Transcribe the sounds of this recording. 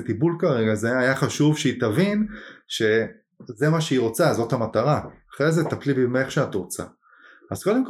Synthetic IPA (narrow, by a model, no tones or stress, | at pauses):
t̪ibulkaʁe̞ɡazeajaχaʃuvʃeitavinʃe̞ | ze̞maʃeiʁo̞t͡sazo̞thamataʁaːχʁezet̪aplibimeχʃeatʁo̞t͡sa̰ | azko̞demk